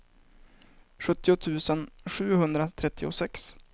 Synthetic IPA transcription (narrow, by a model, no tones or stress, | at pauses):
ɧɵt̪ːɪʊt̪ʰʉ̟ːsənɧʉ̟ːɦɵnd̪ɾat̪ʰɾɛt̪ʰːɪʊ̰sɛks